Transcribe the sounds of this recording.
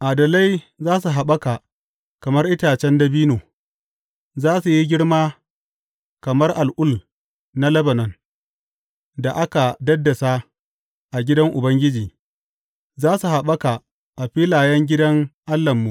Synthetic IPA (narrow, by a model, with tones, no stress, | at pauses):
ʔaː˨dɐ˨la˦j | zaː˦s̬u˨ɦa˨ɓɐ˦ka˨ | kɐ˨mɐ˦rʔɪ˦taː˨t͡ʃɛ˦ndɐ˦biː˦noː˨ | zaː˦su˨ji˦ɡʲɪ˦ɽmaː˦ | kɐ˨mɐ˦rʔa˨lʔʊ˦l | na˦lɐ˦bɐ˨nɐ˦n | da˨ʔa˦ka˨dɐ˦dːɐ˨sa˦ | ʔa˨ɡʲɪ˦dɐ˦ŋʔʊ˨bɐ˦ŋɡʲɪ˦d͡ʒiː˨ | zaː˦su˨ɦa˨ɓɐ˦ka˨ | ʔa˨ɸiː˦laː˨jɛ˦ŋɡʲɪ˦dɐ˦ŋʔa˦lːɐ˨mːu˨